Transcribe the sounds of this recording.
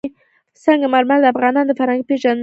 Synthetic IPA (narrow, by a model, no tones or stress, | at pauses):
saŋɡamaɾmald̪afʁɑnɑnd̪əfaɾaŋɡpeʒan